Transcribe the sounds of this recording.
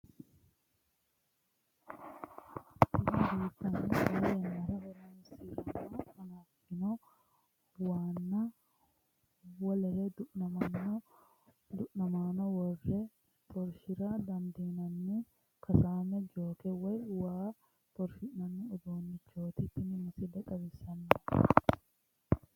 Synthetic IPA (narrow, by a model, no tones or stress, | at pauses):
t̪ːɪdɐnd̪iːt̪ːɐnɪɐjɛnɐɾɐwɐɾaːnsiːɾɐmaːɐnɐfɪnɔ | waːnːɐ | wɐlɐɾɛd̪n | d̪ʊʔnɐmaːnɔwɔrːe | t̪ʰʼɔɾʃɪɾad̪ɐnd̪iːnɐnːi | kɐsaːmɛd͡ʒoːkɛwɐjwaː | t̪ɔɾfɪnɐnːɪʊd̪oːnːɪt͡ʃːoːt̪ɪt̪ːɪnɪmɐsɪd̪ɐkʼɐbɛsɐnːɐ